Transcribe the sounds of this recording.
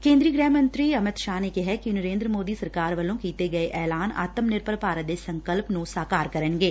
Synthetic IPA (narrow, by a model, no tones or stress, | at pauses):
kẽːnd̪ɾiːɡɾɛːmə̃nt̪ɾiːɐmɪt̪ʃaːnekɪɦɛkinəɾẽːnd̪ɾəmoːd̪iːsəɾkaːɾʋəlõːkiːt̪eɡɐeʔɛːlaːna̰ːt̪əmnɪɾpəɾpaːɾət̪̚d̪eːsə̃ŋkəlpnũsaːkaːɾkəɾənɡeː